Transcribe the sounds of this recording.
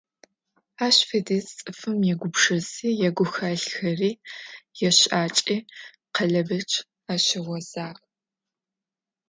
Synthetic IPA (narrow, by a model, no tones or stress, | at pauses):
aːɕfediːst͡sʼɨfɨmjɛɡʷʊpʂɐziːjɛɡʷʊxɐɬxɐriːjɛɕaːt͡ʃʼiː | qɐɮɐbɐt͡ʃʰʼ | aːɕɪʁʷɔz̥aːʁ